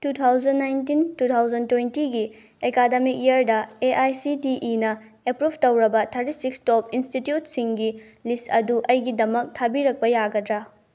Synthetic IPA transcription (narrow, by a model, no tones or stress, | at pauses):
tutʰawzɐnːajntintutʰawzɐntwejntiɡi | ekademik̚iɐɾdɐeʔajsidiʔinɐ | epɾubʱtɐwɾɐbɐtʰɐɾtisikstop̚institjutsiŋɡi | listɐ̰duʔɐjɡidɐmɐk̚tʰabiɾɐk̚pɐjaɡɐdɾɐ